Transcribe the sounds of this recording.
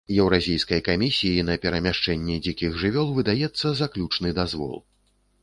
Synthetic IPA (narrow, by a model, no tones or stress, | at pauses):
jɛwɾazʲijskɐjkamʲisʲijinɐpʲɛɾɐmʲaʂt͡ʂɛnʲːɛd͡zʲikʲiɣʐɨvʲɔlˠvɨd̪ajɛt̪sːɐzaklʲut͡ʂnɨd̪azvɔ̰lˠ